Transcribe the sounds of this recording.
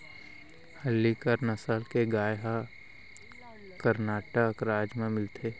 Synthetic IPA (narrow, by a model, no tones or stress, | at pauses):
həlːikəɾnəsəlkeɡaːjɦa | kəɾnaːʈəkɾaːd͡ʒmẽmɪlt̪ʰeː